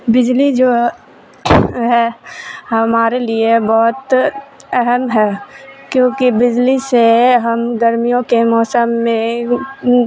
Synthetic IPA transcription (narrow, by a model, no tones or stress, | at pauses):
bɪd͡ʒlid͡ʒoː | ɦɛɦɐmaːɾeliebɔːt̪ɛɦɛmɦɛːkjõːkibɪd͡ʒliseɦɐmɡɐɾmijõkemɔːsəmːẽ